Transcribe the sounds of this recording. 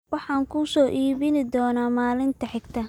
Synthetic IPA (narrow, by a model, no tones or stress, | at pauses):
wɑħɑːŋkʰʊsɔːʔiːβɪnɪd̪ɔːnaːmaːlɪnt̪ʰɐħɪɡt̪ʰɐ